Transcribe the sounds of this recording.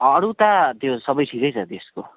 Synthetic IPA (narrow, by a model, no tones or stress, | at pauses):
ʌɽut̪at̪josʌbʌjʈʰikʌjt͡sʰʌt̪esko